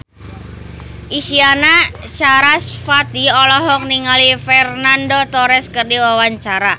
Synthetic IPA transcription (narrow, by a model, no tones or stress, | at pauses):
ʔiʃianaʃaɾasfat̪iɔlɔɦɔk̚niŋalifɛrnandot̪ɔɾɛskərdiwawaɲt͡ʃaɾa